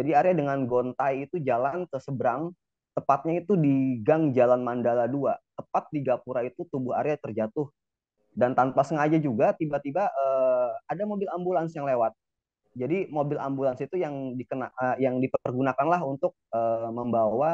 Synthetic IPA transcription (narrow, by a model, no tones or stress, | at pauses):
d͡ʒadiaɾeadəŋanɡont̪ajit̪ud͡ʒalankəsəbəɾaŋ | t̪əpat̪̚ɲait̪udiɡaŋd͡ʒalanmandaladuat̪əpat̪̚diɡapuɾait̪ut̪ubʊɦa̰ɾeat̪ərd͡ʒat̪ʊh | dant̪anpasəŋad͡ʒad͡ʒuɡat̪ibat̪ibaʔəadamobɪlambulansjaŋlewat̪̚ | d͡ʒadimobɪla̰mbulansit̪ujaŋdikənaəjaŋdipərɡunakanlaɦunt̪ʊk̚əːməmbawa